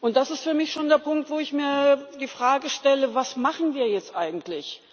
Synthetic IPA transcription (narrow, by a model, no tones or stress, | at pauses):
ʔʊnt̚d̥asɪstfyːɐmɪçʃoːndeːɐpʰʊŋktv̥oːɪçmiːɐdiːfʁ̥aːɡəʃtɛləvasmaχn̩viːɐjɛt͡stʔaɪɡŋ̩tʰlɪç